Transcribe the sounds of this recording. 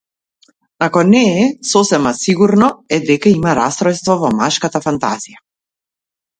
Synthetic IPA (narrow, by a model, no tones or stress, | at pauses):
akɔnɛːsɔsɛmasiɡuɾnɔɛd̪ɛkaimaɾast̪ɾɔjst̪vɔvɔmaʃkat̪afant̪a̰zija